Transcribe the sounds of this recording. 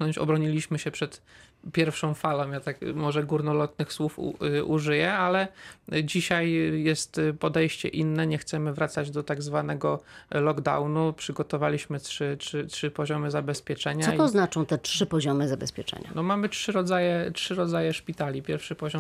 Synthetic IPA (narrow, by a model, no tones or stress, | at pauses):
nɔɲt͡ɕɔ̰bɾɔɲilʲiɕmɘɕɛpʂɛt̪pʲjɛɾfʂɔ̃w̃falɔ̃w̃jat̪akmɔʐɛɡuɾnɔlɔt̪nɘxswufʔuʐɘjɛalɛd͡ʑiɕajjɛst̪pɔd̪ɛjɕt͡ɕɛ̰ʔinːɛɲɛxt̪sɛmɘvɾat̪sad͡ʑd̪ɔt̪aɡzvanɛɡɔlɔɡd̪a̰wnupʂɘɡɔt̪ɔvalʲiɕmɘtʂɘtʂɘtʂɘpɔʑɔmɘzabɛspʲjɛt͡ʂɛɲasɔt̪ɔznat͡ʂɔ̃w̃t̪ɛtʂɘpɔʑɔmɘzabɛspʲjɛ̰t͡ʂɛ̰ɲa̰nɔmamɘtʂɘɾɔd̪zajɛtʂɘɾɔd̪zajɛʂpʲit̪alʲipʲjɛɾfʂɘpɔʑɔ